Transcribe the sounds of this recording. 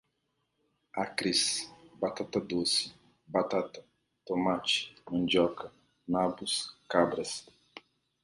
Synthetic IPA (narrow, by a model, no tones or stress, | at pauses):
akɾisbat̪at̪ɐd̪osi̥ | bat̪at̪ɐ | t̪omat͡ʃi̥nũnd͡ʒɔkɐ | nabuskabɾɐs